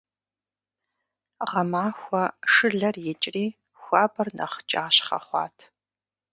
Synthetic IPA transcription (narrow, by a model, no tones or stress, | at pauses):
ʁɐmaːxʷɔʂɨɮɐrjɛt͡ʃʼriː | xʷɑːbɐrnɐ̰χt͡ʃʼaːɕχɐ̰χʷɑ̰ːtʰ